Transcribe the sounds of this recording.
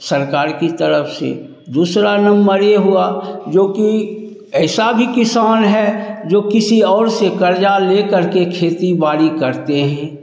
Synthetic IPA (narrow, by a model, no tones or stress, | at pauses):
sɐɾkaːɾkit̪əɾəpʰsḛ | d̪uːsɾanɐ̃mbəɾeɦʊad͡ʒoːki | ɛːsabʱikɪsaːnɦɛd͡ʒoːkɪsiɔːɾsekəɾd͡ʒaleːkəɾkekʰeːt̪ibaːɽikəɾt̪eɦɛ̃ː